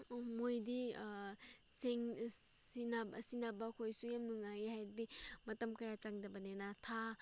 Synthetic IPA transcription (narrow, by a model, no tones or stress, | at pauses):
mojdi | seŋsinabsinabɐkʰojsujamnuŋajehajɾbimɐtɐmkɐjat͡ʃaŋdɐbɐnenatʰa